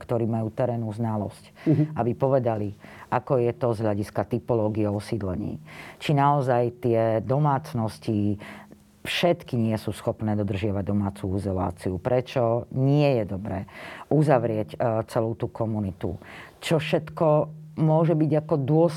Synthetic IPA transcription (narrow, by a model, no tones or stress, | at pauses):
kt̪ɔɾiːmajuːt̪ɛɾɛːnuznalɔscabipɔʋɛd̪aliʔakɔjɛt̪ɔzɦʎaɟiskat̪ipɔlɔːɡiɛɔsiːd̪lɛɲḭːt͡ʃinaɔzajt̪ɪɛd̪ɔmaːt͡snɔsci | fʃɛt̪kiɲɪɛsuːsxɔpnɛːd̪ɔd̪r̩ʒɪaʋaɟ̚d̪ɔmaːt͡suizɔla̰ːt͡siupɾɛt͡ʃɔɲɪɛjɛd̪ɔbɾɛːʔuzaʋɾɪɛct͡sɛluʊt̪ukɔmunit̪ṵt͡ʃɔfʃɛt̪kɔmʊɔʒɛbiɟakɔd̪ʊɔs